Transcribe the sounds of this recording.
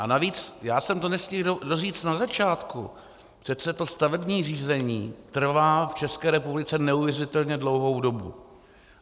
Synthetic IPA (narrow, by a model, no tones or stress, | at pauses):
ʔanaviːt͡sjaːsɛmt̪onɛscildodoriːt͡st̪nazat͡ʃaːt̪kṵ | pr̥ɛt͡sɛt̪o̞st̪avɛbɲiːriːzɛɲiːt̪r̩vaːft͡ʃɛskɛːɾɛpublɪt͡sɛnɛuvjɛrɪt̪ɛlɲɛdlo̞wɦo̞wdo̞bṵ